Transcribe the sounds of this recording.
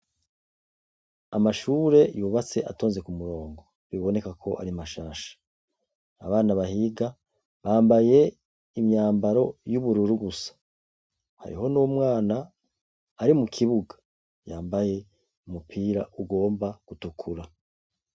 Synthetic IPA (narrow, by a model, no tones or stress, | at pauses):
a̰maʃuːɾe̞juːβat͡se̞ʔa̰to̞ːnze̞kumuɾo̞ːŋɡo̞ | βiβo̞ne̞kakʰo̞ʔa̰ɾimaʃaːʃḁ | a̰βaːnaβahiɡa | βaːmbaje̞ | imɲaːmbaɾo̞juβuɾuɾuɡusḁ | ha̰ɾḭɦo̞nuwomŋaːnaː | ɾimukʰiβuɡḁ | jaːmbaje̞ | umupʰiːɾaʔuɡo̞ːmbaɡ̥utukʰuɾa